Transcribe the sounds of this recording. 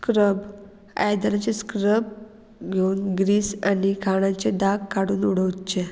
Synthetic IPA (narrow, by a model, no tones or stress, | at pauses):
skɾəb | a̰jd̪aɾat͡seskɾəb̚ | ɡʱeuːnɡɾiːsanikʰaɽ̃ãt͡ɕed̪aɡkaɽuːnuɽ̤əʋt͡ɕe